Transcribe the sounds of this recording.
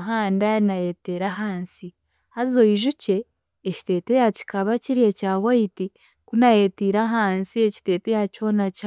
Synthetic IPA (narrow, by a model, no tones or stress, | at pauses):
ɦaːndainajeteɾaɦaːnsi | hazo̞iʒuce̞ː | ci̥te̞ːte̞jaci̥kaβaciɾie̞caːwaiti | kunaje̞tiːɾaɦaːnsieci̥te̞ːte̞jaco̞ːnaca